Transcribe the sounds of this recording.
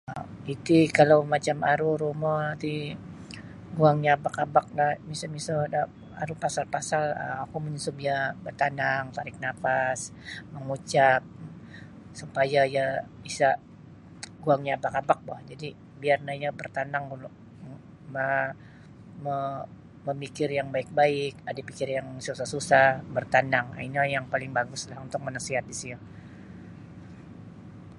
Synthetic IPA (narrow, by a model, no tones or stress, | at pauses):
it̪ikalawmat͡ʃamaɾuɾumɔnant̪i | ɡuaŋɲaːbakabak̚nahmisamisada | a̰ɾupasalpasalə̰makuməɲusʊbiabərt̪anaŋt̪aɾɪk̚nafasməŋut͡ʃap̚ | supajaja | isa | ɡuaŋɲaːbakabak̚bahd͡ʒadi | biarnajabərt̪anaŋulʊ | ma | mə | məmikɪrjaŋbaɪk̚baɪkadapikɪrjaŋsusasusahbərt̪anaŋa̰iɲajaŋpalɪŋbaɡʊslahunt̪ʊk̚mənasiɦat̪̚disia